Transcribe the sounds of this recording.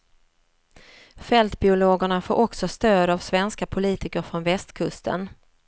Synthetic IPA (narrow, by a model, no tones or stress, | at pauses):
fɛlt̪bɪʊloːɡəɳafo̰ːɾʔɔksɔst̪øːd̪avsvɛnskapʰʊliːt̪ɪkəɾfɾɔnvɛst̪kʰɵst̪ə̰n